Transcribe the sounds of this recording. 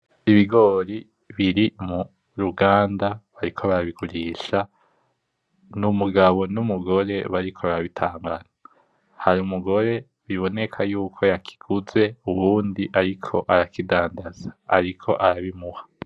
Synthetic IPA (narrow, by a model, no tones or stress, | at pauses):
iβiɡo̞ːɾi | βiɾimu | ɾuɡaːndaβaɾikʰoβaɾaβiɡuɾiːʃa | numuɡaβo̞numuɡo̞ɾe̞βaɾikʰoβaɾaβitʰaːŋɡana | haɾumuɡo̞ɾe̞ | βiβo̞ne̞kʰajuːkʰo̞jakʰi̥ɡ̥uze̞uβuːndiʔaɾikʰo̞ʔaɾakidaːndaz̥ḁ̰ːɾikʰo̞ʔaɾaβimuhḁ